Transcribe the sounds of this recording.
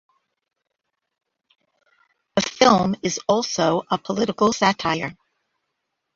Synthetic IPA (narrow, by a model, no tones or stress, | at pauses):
ɨfɪlˠmɨzɔlˠsoʊʔəpʰəlɪɾɨkl̩ˠsætʰaɪə˞